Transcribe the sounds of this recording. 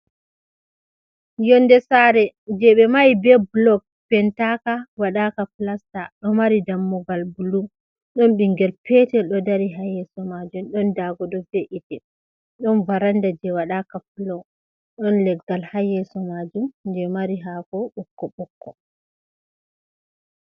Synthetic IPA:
jɔndɛsaɾɛd͡ʒɛɓɛmajbɛblɔɡ̚ | pɛntakawaɗakaplastaɗɔmaɾidamːɔɡalbulu | ɗɔnɓiŋɡɛlpɛtɛɗɔdaɾiɦajɛsɔmad͡ʒumɗɔndaɡɔɗɔbɛʔitɛ | ɗɔnvaɾandad͡ʒɛwaɗakaplɔ | ɗɔnlɛɡɡalhajɛsɔmad͡ʒumndɛmaɾiɦakɔɓɔkːɔɓɔkːɔ

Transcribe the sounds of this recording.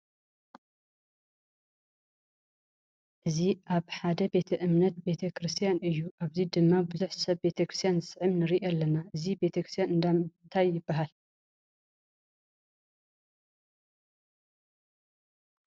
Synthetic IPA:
ʔɨziʔaβħad̪ɐbe̞t̪ʰɐʔɨmnɐt̪̚be̞t̪ʰɐkʰɾɨst̪ʰijanɨjːuʔaβzid̪ɨmːabɨzuħsɐβbe̞t̪ʰɐkɾɨst̪ijanzɨsʕɨmnɨɾiʔalːɐnaʔɨzibe̞t̪ʰɐkɾɨst̪ʰjanɨnd̪amnt̪ʰajːɪbːaɦal

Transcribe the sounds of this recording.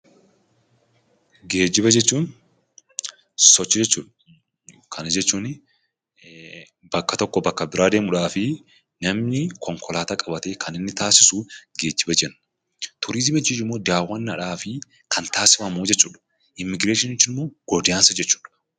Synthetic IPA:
ɡe̞ːd͡ʒːɪbɐd͡ʒɛt͡ʃːuːn | sɔt͡ʃːɪd͡ʒɛt͡ʃːuːᶑɐ | kʰɐnɐd͡ʒɛt͡ʃːuːn | b̥ɐkːɐt̪ɔkːɔbɐkːɐbɪɾaːd̪e̞ːmʊᶑaːfɪ | nɐmnɪkʰɔŋkʰɔlaːt̪akʼɐbɐt̪e̞ːkʰɐnɪnːɪt̪aːsɪsuɡe̞ːd͡ʒːɪbɐd͡ʒɛnːɐ̥ | t̪ʰʊɾiːzɪbɛd͡ʒɪd͡ʒɪmːoːd̪aːwːɐnːɐᶑaːfɪ | kʰɐnt̪aːsɪ̥fɐmuːd͡ʒɛt͡ʃːuːᶑɐ̥ | ʔɪmːɪɡɾeːʃɪnɛt͡ʃːɪnɪmːo̞ːɡ̥ɔd̪ɪjaːnsɐd͡ʒɛt͡ʃːu̥ːᶑɐ̥

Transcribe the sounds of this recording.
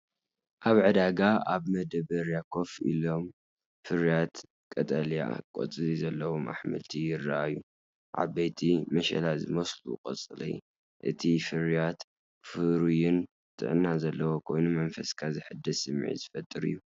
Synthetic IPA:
ʔaβʕɨd̪aɡaaβmɐd̪ɐβɐɾjakʰo̞fḭlo̞m | fɨɾjat̪ | kʼɐt̪ʼɐlja̰kʼo̰t͡sʼɨzizɐlːɐwomʔa̰ħmɨ̰lt̪ʰijɪrːaʔaju | ʕa̰bɐjt̪ʰimɐʃɐ̰lazɨmɐslṵkʼɐ̰t͡sʼɨlḭ | ʔɨ̰t̪ʰifɨɾijat̪ | fɨɾujɪn | t̪ʰʼɨ̰ʕɨnːazɐlːɐwokʰo̞jnumɐnfɐskʰazɨħɨd̪ːɐsɨmːʕḭzɨfɐt̪ʼːɨɾɨ̰jːu

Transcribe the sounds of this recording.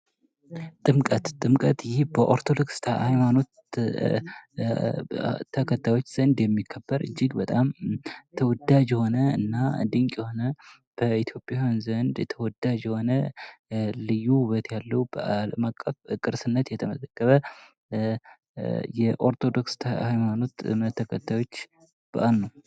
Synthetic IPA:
t̪ʼɨmkʼət̪t̪ʼːɨmkʼət̪jɪhbəʔo̞ɾt̪ʰo̞d̪o̞kst̪ʰahajmano̞t̪ | t̪ʰəkʰət̪ʰːajwo̞t͡ʃːz̥ənd̪jɛmːikʰːəbːəɾʔɨ̰d͡ʒːɪɡbət̪ʼamt̪ʰəwɔd̪ad͡ʒjɛho̞nəɨ̰nːa̰d̪ɨŋkʼjɛho̞nə | b̥əit̪ʰjo̞pʼjahanzənd̪t̪ʰəwɔd̪ad͡ʒjɛho̞nə | lɨjːuhuβət̪jalːəwb̥əʔaləmakʼːəfkʼɨɾsɨnːət̪jɛt̪ʰəməzəkːəβə | jɛʔo̞ɾt̪ʰo̞d̪o̞kst̪ʰahajmano̞t̪ət̪ʰːəkʰət̪ʰːajo̞t͡ʃː | b̥ə̰ʔalnəw

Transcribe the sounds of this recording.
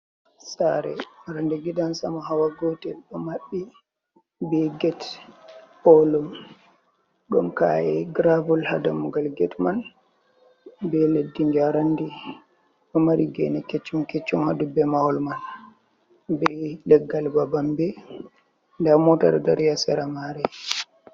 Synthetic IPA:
saɾɛ̰ɾandɛɡidansamɔɦawaɡotɛɗɔmaɓːi | bɛɡɛt | ʔɔlɔm | ɗɔmka̰jɛɡɾavulhadamuɡalɡɛtman | bɛledːiɲd͡ʒaɾandi | ɗɔmaɾiɡɛ̰nɛket͡ʃːumket͡ʃːumhadubɛmahɔlman | bɛlɛɡːalbabambɛ | ndamɔta̰ɗɔdaɾjasɛɾamaɾɛ

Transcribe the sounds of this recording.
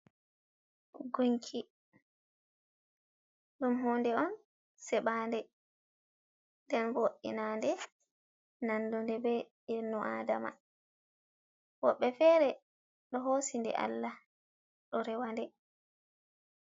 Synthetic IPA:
ɡuɲkʰi | ɗumɦɔːndɛɔn | sɛɓaːndɛ | dɛnvoʔːḭnandɛ | nandundɛbɛ | inɔʔaːdama̰ | wɔɓːɛfɛːɾɛ | ɗɔɦosindɛ̰ʔa̰lːa | ɗɔɾɛwandɛ

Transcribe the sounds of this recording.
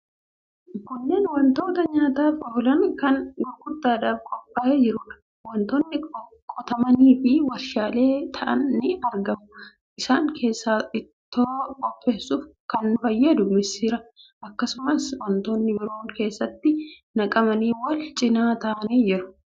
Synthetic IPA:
kʊɲːɐnwɐnt̪o̞ːt̪ɐɲaːt̪aːfɔhʊlɐnkɐnɡɔɾɡʊd̪ːaːᶑaːfkʼɔpʼːaːʔed͡ʒɪɾuːᶑɐ̥ | wɐnt̪oːnːɪ | kʼɔt̪ɐmɐniːfɪwɐɾʃaːle̞ːt̪ʰɐʔɐ̰nːɪɐɾɡɐmʊ | ʔɪsaːŋkʰe̞ːsːaːɪt̪ːoːkʼɔpʼːe̞ːsːuːfkɐnbɐjːɐd̪ʊmɪsiːɾɐʔɐkːɐsʊmɐswɐnt̪oːnːɪbɪɾo̞ːŋke̞ːsːɐt̪ːɪnɐkʼɐmɐniːwɐlt͡ʃʼɪnaːt̪ɐːɐneːd͡ʒɪɾʊ̥

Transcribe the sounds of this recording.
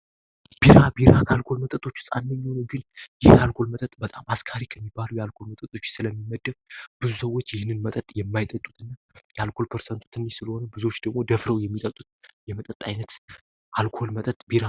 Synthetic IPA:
b̥iɾabiɾakʰalkʰo̞lmət̪ʼət̪ʼo̞t͡ʃːst̪ʼanːəɲːhonəwɡɨnjɪhkʰalkʰo̞lmət̪ʼət̪ʼbət̪ʼamaskʰaɾikʰəmːibːalujɛalkʰo̞lmət̪ʼət̪ʼo̞t͡ʃːsɨləmːiməd̪ːəmb̥ɨzusəwːo̞t͡ʃːjɪhɨnːɨnmət̪ʼət̪ʼjɛmːajt̪ʼət̪ʼːut̪ʰʼɨnːa | jɛalkʰo̞lpʰəɾsənt̪ʰu̥t̪ʰɨnːisɨləho̞nəbɨzo̞t͡ʃːd̪əɡmo̞d̪əfɾəwjɛmːit̪ʼət̪ʼːut̪jɛmət̪ʼət̪ʼajnət̪ | ʔalkʰo̞lmət̪ʼət̪ʼbiɾa

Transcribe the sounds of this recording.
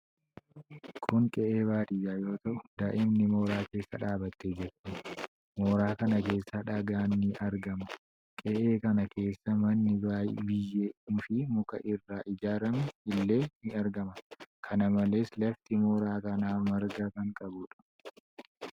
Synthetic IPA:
kʰʊŋkʼɛʔeːβaːt̪iːjaːjo̞ːt̪ɐʔʊd̪aːʔɪmnɪmo̞ːɾaːke̞ːsːɐᶑaːbɐt̪ːed͡ʒɛɾt̪ɪ | moːɾaːkɐnɐke̞ːsːɐᶑɐɡaːnːɪʔɐɾɡɐmɐ | kʼɛʔe̞ːkɐnɐke̞ːsːɐmɐnːɪbaːjbɪjːeːfɪmʊkɐ̰ʔɪrːaːʔɪd͡ʒaːɾɐmɛɪlːe̞ːnɪɐɾɡɐmɐkʰɐnɐmɐle̞ːslɐft̪ɪmoːɾaːkɐnaːmɐɾɡɐkɐŋkʼɐbʊᶑɐ̥

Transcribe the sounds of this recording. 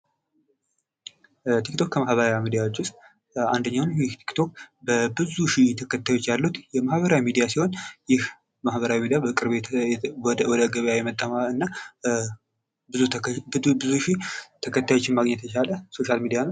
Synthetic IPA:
t̪ʰikt̪ʰo̞kkʰːəmahβəɾawimid̪ijawot͡ʃːʊst̪ʼ | and̪əɲːawnjɪht̪ʰi̥kt̪ʰo̞kbəbɨzuʃit̪ʰəkʰət̪ʰːajo̞t͡ʃːjalːut̪jɛmahbβəɾawimid̪ijasiho̞njɪh | mahβəɾawimid̪ijabəkʼɨɾβet̪ | wɔd̪əɡəβjajɛmət̪ʼːəmaɨnːa | bɨubɨzuʃit̪ʰəkʰət̪ʰːajo̞t͡ʃːɪnmaɡɲːɛt̪ʰət͡ʃaləso̞ʃalmid̪ijanəw

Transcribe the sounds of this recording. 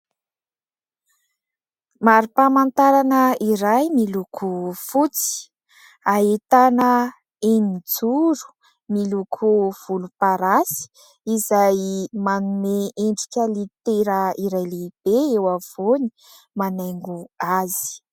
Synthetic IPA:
maɾipamant̪aɾanəiɾajmilukʰufut͡si̥ | aet̪anə | enid͡zuɾu̥ | milukʰuv̥ulupaɾasi̥ | izajmanumeeɳɖ͡ʐikʲəlit̪eɾəiɾajleb̥eewav̥oni̥ | manajŋɡuazi̥

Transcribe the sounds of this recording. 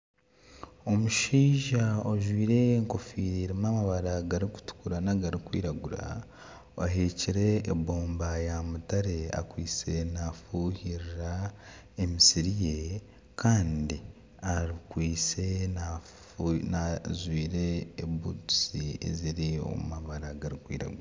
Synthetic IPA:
o̞muʃiːʒaoʒwiːɾe̞ːŋko̞fiːɾiɾimamaβaɾaɡaɾiku̥tu̥kuɾanaɡaɾikwḭːɾaɡuɾa̰ | aɦeciɾe̞ːboːmbajamutaɾe̞a̰kwiːt͡se̞nafuhiɾiɾa | emisiɾije̞ | kʰaːndi | aɾikwiːt͡se̞na | nazwiːɾe̞ːbutu̥siḛziɾio̞̰mumaβaɾaɡaɾikwḭːɾa̰ɡuɾa

